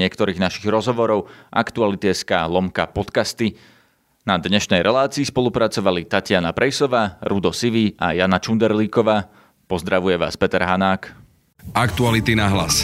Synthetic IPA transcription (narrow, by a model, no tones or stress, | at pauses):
ɪɛkt̪ɔɾiːɣnaʃiɣɾɔzɦɔʋɔɾɔʊʔa̰kt̪ualit̪iɛskaːlˠɔmkapɔt̪kast̪i | nad̪ɲɛʃnɛjɾʔɛlaːt͡siːspɔlˠupɾat͡sɔʋalit̪acɪanapɾʔɛjsɔʋaːɾud̪ɔsiʋiʔajanat͡ʃund̪ɛɾliːkɔʋaː | pɔzd̪ɾaʋujɛʋa̰ːspɛt̪ɛɾɦanaːk | akt̪ualit̪inaɦla̰s